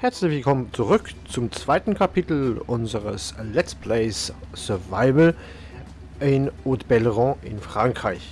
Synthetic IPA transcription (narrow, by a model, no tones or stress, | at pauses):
hɛɐt͡slɪçv̥ɪlkʰɔmənt͡suʁʏkt͡sʊmt͡sv̥aɪtn̩kʰapʰitl̩ʔʊnzəʁəslɛspʰleɪssœɐvaɪvl̩ | ʔɪnotb̥ɛlʁɔ̃ʔɪnfʁ̥aŋkʁ̥aɪç